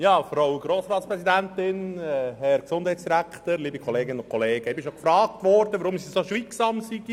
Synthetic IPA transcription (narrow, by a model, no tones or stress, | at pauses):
jɑːfɾowɡ̥ɾoːsɾɑːt̪spɾɛsidæntɪnɦɛɾksʊndhɛjtsd̥iɾækχtəɾliːbikʰɔleːɡɪnənʊnkʰɔleːɡ̥əɛbɪʃokfɾɑːk̚tʋɔɾd̥əʋəɾʊmsisoʃʋiːksɑmsiɡ̥i